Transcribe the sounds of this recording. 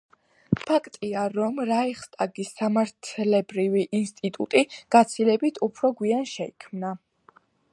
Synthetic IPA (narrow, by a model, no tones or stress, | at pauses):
pʰakʰt̪ʼiaɾɔmɾaɛχst̪ʼaɡisːamaɾt̪ʰlɛbɾiviʔinst̪ʼit̪ʼṵt̪ʼiɡ̥at̪sʰilɛbit̪ʰupʰɾɔɡwianʃɛikʰmna